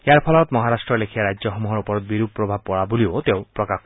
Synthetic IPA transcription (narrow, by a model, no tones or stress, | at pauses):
eaɾpʰɔlɔt̪mɔɦaɾasʈɾɔlekʰiaɾad͡ʒɔɦɔmuɦɔɾupɔɾbiɾupɾɔbʱab̚pːɔɽabuliot̪eõpɾɔkakʰ